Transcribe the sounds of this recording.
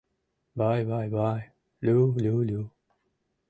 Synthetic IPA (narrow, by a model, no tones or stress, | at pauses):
bajbajbaj | lululu